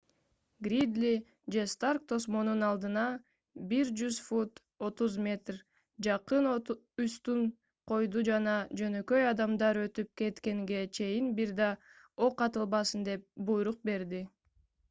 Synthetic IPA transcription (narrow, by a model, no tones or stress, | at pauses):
ɡɾʲid̪lʲi | d͡ʒe̞st̪ark̚t̪ʰo̞smo̞nunɑlˠd̪ɯnɑ | biɾd͡ʒyzfut̪ | o̞t̪uzmʲe̞t̪r | d͡ʒɑqɯn | yst̪un | qʰo̞jd̪ud͡ʒɑnɑd͡ʒø̞nø̞kø̞jɑd̪ɑmd̪ɑɾø̞t̪yp̚ke̞t̪ke̞ŋɡe̞t͡ʃʰe̞jinbiɾd̪ɑ | oqːɑt̪ɯlˠβɑsɯnd̪e̞p̚bujɾuq̚be̞ɾd̪i